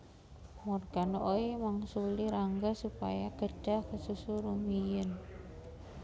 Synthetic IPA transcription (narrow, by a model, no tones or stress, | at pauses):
mɔrɡanoʔoimaŋsuliɾaŋɡasupa̰jakəd͡ʒakəsusuɾumijən